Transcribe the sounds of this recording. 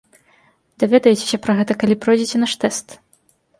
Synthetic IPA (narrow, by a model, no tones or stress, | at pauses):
d̪̥avʲɛd̪ɐjɛt͡sʲe̥sʲɐpɾɐɣɛt̪ɐkalʲipɾɔjd͡zʲit͡sʲɛnaʂt̪ɛst̪